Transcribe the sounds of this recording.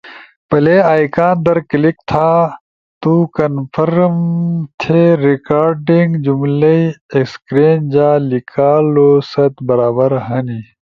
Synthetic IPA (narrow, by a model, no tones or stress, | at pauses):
pɐleaːjkãːnd̪ɐɾklik̚t̪ʰaː | t̪uːkɐnfʰɐɾmt̪ʰeɾikaːɾɖiŋɡd͡ʑumlɐiekskɾeːnd͡ʑaːlikʰaːloːsɐt̪bɐɾaːbɐɾɦɐni